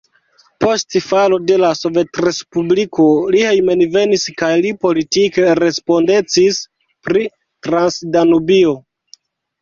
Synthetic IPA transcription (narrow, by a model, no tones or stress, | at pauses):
po̞stfalo̞de̞laso̞ve̞tɾe̞spubliko̞lihejme̞nve̞niskajlipo̞litikeɾe̞spo̞nde̞t͡sis | pɾi | tɾansdanubio̞